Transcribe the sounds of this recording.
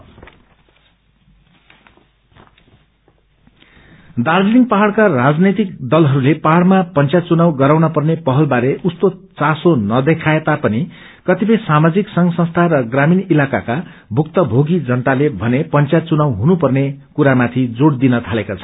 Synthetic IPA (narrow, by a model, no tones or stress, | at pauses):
d̪aɾd͡ziniŋpʌɦaɽkarad͡znet̪ikd̪ʌlɦʌɾulepaɦaɽmapʌnt͡sjat͡sunawɡʌɾawnʌpʌrnepʌɦʌlbaɾeʔust̪ot͡sasonʌd̪ekʰaet̪apʌni | kʌt̪ipʌjsamad͡ziksʌŋɡsʌnst̪ʰaɾʌɡraminilakaka | bʱuk̚t̪ʌbʱoɡid͡zʌnt̪alebʱʌnepʌnt͡sjat͡sunawɦunupʌrnekuɾamat̪ʰid͡zoɽd̪inʌt̪ʰalekot͡sʰʌ̥